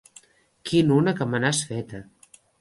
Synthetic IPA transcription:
kʰinunəkəmənasfɛt̪ə

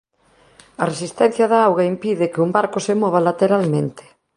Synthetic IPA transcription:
ɐresist̪ɛn̟θjɐðaawɣaimpiðɪkeumbaɾkosemɔβalat̪eɾalmẽnt̪ɪ̥

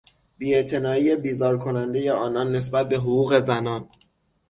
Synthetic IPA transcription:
biːe̞ʔt̪ʰe̞nɒːiːje̞biːzɒːɾkʰo̞nænd̪e̞je̞ɒːnɒːnːe̞s̬bæt̪̚be̞ɦoɣuːɣe̞zænɒːn

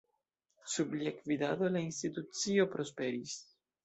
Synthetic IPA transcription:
subliekvidad̪o̞lainstit̪ut͡sio̞pɾo̞spe̞ɾis

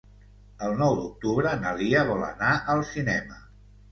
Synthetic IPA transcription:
əlˠnɔwd̪uk̚t̪uβɾənəliəβɔlə̰naʔəlˠsinɛmə

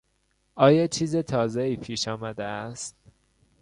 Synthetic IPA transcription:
ɒːjɒːt͡ʃʰiːzet̪ʰɒːzeiːpʰiːʃɒːmæd̪eæst̪̚

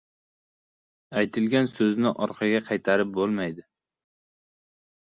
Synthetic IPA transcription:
ajt̪ʰɪlɡʲansɵznɪʔɒɾqʰɑɡʲaqʰɑjt̪ʰaɾɪp̚bolˠmajd̪ɪ

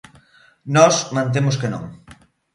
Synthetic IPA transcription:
nɔsmɐ̃nt̪̬emʊskenõ̰ŋ

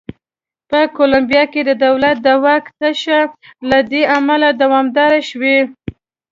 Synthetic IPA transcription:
pəkolambijɑked̪əd̪awlat̪̚d̪əwakt̪aʃalad̪eamalad̪awɑmd̪ɑɾaʃwe

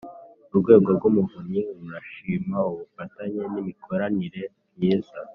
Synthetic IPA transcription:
uɾɡwe̞ːɡo̞ɾɡumuvuɲɲiɾuɾaʃiːmauβufataɲe̞nimikʰo̞ɾaniɾe̞ | jeːza

